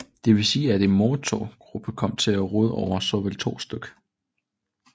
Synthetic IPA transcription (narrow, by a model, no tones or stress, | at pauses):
d̥e̝ʋe̝siːæd̥e̝nmot͡sʰɒɡ̥ʁub̥ʰəkʰɒ̽m̰t͡sʰe̝læʁoð̞ˠɒʊ̰ɐsɒ̽ʋelt͡sʰo̝̰ːsd̥øɡ̥ə̥